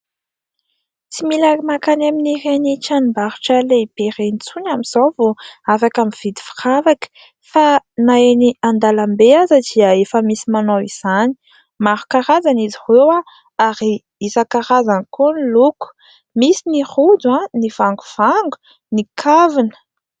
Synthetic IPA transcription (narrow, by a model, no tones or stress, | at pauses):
t͡similaɾimakanaminirenit͡ʃanimbaɾuʈ͡ʂəleipeɾenit͡sunamiz̥owvoafakamiv̥id̪i̥fi̥ravakə̥ | fanaeniand̪alambeazad̪iəefəmisimanowiz̥ani̥ | maɾukaɾazaniziwewa | aɾi | izakaɾazanikoniluku̥ | misinihud̪uãnivaŋɡuv̥aŋɡu̥ | nikʰavinə̥